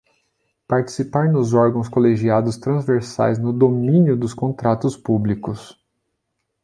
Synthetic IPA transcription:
paɾt͡ʃi̥sipaɾnʊzɔɾɡɐ̃w̃skoleʒiad̪ʊst̪ɾɐ̃zveɾsa̰jznʊd̪omĩnjʊd̪ʊskõnt̪ɾat̪ʊspublikʊs

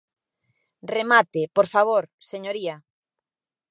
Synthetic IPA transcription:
remat̪ɪpoɾfaβ̞oɾseɲoɾia

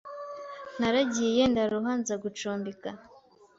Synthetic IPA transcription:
naɾaɟije̞ndaɾuɦanzaɡut͡ʃoːmbika

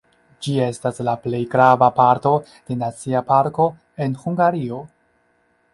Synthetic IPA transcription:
d͡ʒie̞staslaple̞jɡɾavapaɾto̞ | d̥e̞nat͡siapaɾko̞ | e̞nhuŋɡaɾio̞

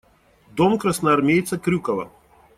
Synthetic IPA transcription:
d̪ɔmkɾasnaːɾmʲejt̪sakɾʲukɐvɐ̰

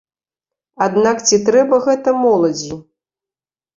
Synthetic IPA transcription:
ad̪nakt͡sʲit̪ɾɛbɐɣɛt̪ɐmɔlˠɐd͡zʲi

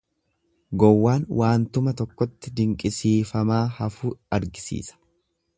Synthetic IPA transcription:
ɡɔwːaːnwʔaːnt̪ʊmɐt̪ɔkːɔt̪ːɪd̪ɪŋkʼɪsiːfɐmaːhɐfuːɐɾɡɪsḭːsɐ̥

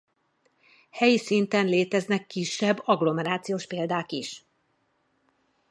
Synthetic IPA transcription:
hɛjisint̪ɛnleːt̪ɛznɛkːiʃːɛbːɒɡlo̞mɛɾaːt̪sijoːʃpeːld̪aːkiʃ

